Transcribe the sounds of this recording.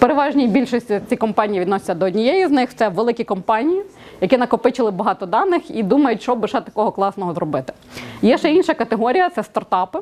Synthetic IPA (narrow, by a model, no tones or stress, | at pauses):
peɾeʋɑʒnʲijbʲilʲʃɔsʲtʲit͡sʲikɔmpɑnʲijiʋʲid̪nɔsʲɪ̥t͡sʲɐd̪ɔɔdʲnʲijɛjiznɪxt̪sɛʋelˠɪkʲikɔmpɑnʲijijɐkʲinɐkɔpɪt͡ʃɪlˠɪbɐɦɑt̪ɔd̪ɑnːɪxid̪umɐjʊtʲʃɔbɪʃɛt̪ɐkɔɦɔklˠɑsnɔɦɔzɾɔbɪt̪ɪ̥ | jɛʃɛinʃɐkɐt̪eɦɔɾʲijɐt̪sɛst̪ɐrt̪ɑpɪ